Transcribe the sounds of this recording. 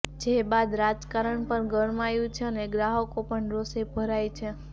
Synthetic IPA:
d͡ʒebad̪ɾad͡ʒkaɾəɳpəɾɡəɾmajũt͡ʃʰeəneɡɾaɦəkopəɳɾosebʱəɾajt͡ʃʰe

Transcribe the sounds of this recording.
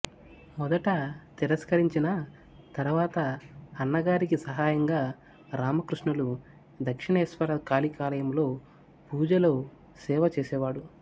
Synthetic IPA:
mɔd̪ɐʈɐt̪iɾɐskɐɾiɲt͡ʃinɐ | t̪ɐɾuʋaːt̪ɐːnːɐɡaːɾikisɐɦaːjɐŋɡaː | ɾaːmɐkɾuʂɳɐlu | d̪ɐkʂiɳɐɛsʋɐɾɐkaːlikaːlɐjɐmlo̞ː | puːd͡ʒɐloː | sɛːʋɐt͡ʃeːsɛːʋaːɽu

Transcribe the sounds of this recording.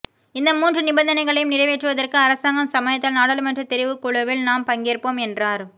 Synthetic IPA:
ɪnd̪ɐmuːndrɯnɪbɐnd̪ɐnɐɪɣɐɭɐjɯmnɪrɐʋeːʈrɯʋɐðɐrkɯɐɾɐsaːŋɡɐmsɐmɐjɐt̪ːɐlnaːɽɐlɯmɛndrɐt̪ɛɾɪʋɯkːʊɭɐʋɪlnaːmpɐŋɡeːrpoːmɛndraːɾ

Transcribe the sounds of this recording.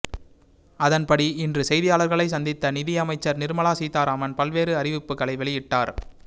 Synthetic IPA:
ɐðɐnpɐɽiɪndrɯsɛjðɪjaːɭɐɾɣɐɭɐɪsɐnd̪ɪt̪ːɐnɪðɪjɐmɐɪt͡ʃːɐɾnɪɾɯmɐɭaːsiːt̪aːɾaːmɐnpɐlʋeːɾɯɐɾɪʋɪpːɯɣɐɭɐɪʋɛɭɪjɪʈːaːɾ

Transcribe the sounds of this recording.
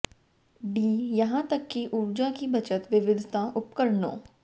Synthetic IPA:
biːjɐɦãt̪ɐkːiʔʊɾd͡ʒãkibɐt͡ʃət̪ʋɪʋɪd̪ʱɪt̪ãʔʊpkəɾnõ̰ː

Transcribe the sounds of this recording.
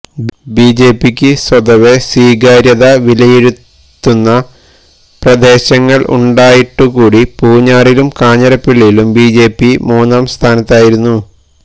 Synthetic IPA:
biːd͡ʑe̞ːpːikʲːɨswɐd̪ɐʋe̞siːɡaːɾjɐðɐʋilɐjiɾut̪ː | unːɐ | prɐd̪e̞ːɕɐŋːɐɭṵɳɖaːjiʈːukuːɽipuːɲːaːrilumkaːɲɐɾɐpːiɭːijilumbiːd͡ʑe̞ːpːimuːnaːmst̪ʰaːnɐt̪ːaːjiɾunːu

